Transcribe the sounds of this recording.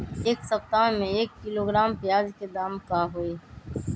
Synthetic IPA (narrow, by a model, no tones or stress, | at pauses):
eːksɐp̚t̪aːẽmẽeːkːɪloːɡɾaːmpɪjaːd͡ʒked̪aːmkaɦoeː